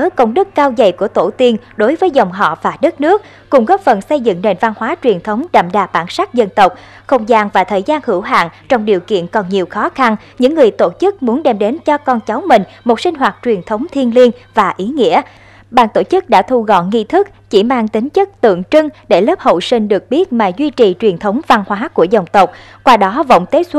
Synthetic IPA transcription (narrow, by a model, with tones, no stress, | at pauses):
ə˨˦kə˧wŋ͡mɗɨ˦˥kːaː˧wzə̰˨˩jku˧˩ət̪o˧˩t̪i˧ən | ɗo˨˦jvəː˨˦jzə˨˩wŋ͡mɦɔ̰˧˨vaː˨˩ɗə˦˥t̚nɨ˦˥ək̚ | kʊ˨˩ŋ͡mɣɔː˦˥p̚fə˨˩nsə˧jzɨ̰˧˨ŋne˨˩nva˧nhwaː˨˦t͡ɕwi˨˩ənt̪ʰə˨˦wŋ͡mɗa̰ː˧˩mɗaː˨˩ɓaː˧˩nsa˦˥k̚zə˧nt̪ə˨˩wk͡p̚ | xə˧˩wŋ͡mzaː˧˩ŋvaː˨˩t̪ʰəː˨˩jzaː˧nhɨ̰˧˩wɦa̰ː˧˨ŋt͡ɕɔ˧wŋ͡mɗi˨˩əwkḭ˧˨ənkɔ˨˩nɲi˨˩əwxɔ˨˦xa˧n | ɲɨ̰˧˥ŋːɨ˨˩əjt̪o˧˩t͡ɕɨ˦˥k̚mu˨˦ənɗɛ˧mɗe˨˦nt͡ɕɔ˧kɔ˧nt͡ɕa˨˦wmï˨˩ŋ̟mo˨˩t̚sï˧ŋ̟ɦwaː˨˩t̚t͡ɕwi˨˩ənt̪ʰə˨˦wŋ͡mt̪ʰi˧ənli˧ənvaː˨˩ʔi˨˦ŋḭ˧˥ə | ɓa̰ː˧˩nt̪o˧˩t͡ɕɨ˦˥k̚ɗa̰ː˧˥t̪ʰu˧ɣɔ̰˧˨nŋi˧t̪ʰɨ˦˥k̚t͡ɕi˧˩maː˧ŋt̪ï˨˦ŋ̟t͡ɕɨ˦˥k̚t̪ɨ̰˧˨əŋt͡ɕɨ˧ŋɗe˧˩ləː˦˥p̚ho̰˧˨jsï˧ŋ̟ɗɨ˨˩ək̚ɓi˦˥ət̚maː˨˩zwi˧t͡ɕi˨˩t͡ɕwi˨˩ənt̪ʰə˨˦wŋ͡mva˧nhwaː˨˦ku˧˩əzə˨˩wŋ͡mt̪ə˨˩wk͡p̚ | kwaː˧ɗɔ˨˦və̰˧˨wŋ͡mt̪e˦˥t̚s